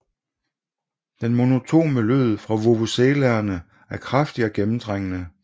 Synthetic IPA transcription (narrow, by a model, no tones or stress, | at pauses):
d̥enmo̝no̝t͡sʰo̝̰ːməløð̞̰ˠfʁɑ̈ʋo̝ʋoseːlæɐnə | æɐkʰʁafd̥iɒ̽ɡ̥emm̩d̥ʁeŋ̰ənə